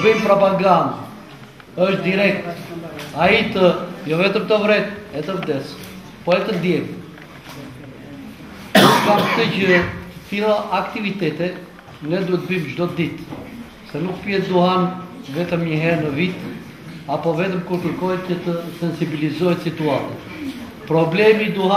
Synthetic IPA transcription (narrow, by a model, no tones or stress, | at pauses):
əbimpɾɔpaɡand̪ | əʃt̪̚d̪iɾɛk̚t̪ait̪əjɔvɛt̪əmt̪əvɾɛt̪ɛt̪əvd̪ɛs | pɔɛt̪əd̪jɛk | əkamt̪əcəət̪ilˠaʔakt̪ivit̪ɛt̪ɛ | nɛd̪uɛt̪bimd͡ʒd̪ɔd̪it̪ | sɛnukpiɛt̪̚d̪uɦanvɛt̪əmɲəɦɛɾnəvit̪ | apɔvɛt̪əmkuɾkəɾkɔɛcət̪əsɛnsibilizɔɛt̪sit̪uat̪ɛ | pɾɔblɛmid̪uɦa